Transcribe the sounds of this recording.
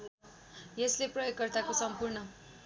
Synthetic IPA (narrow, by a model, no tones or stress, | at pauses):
jesleprʌjoɡkʌrt̪akosʌmpurnʌ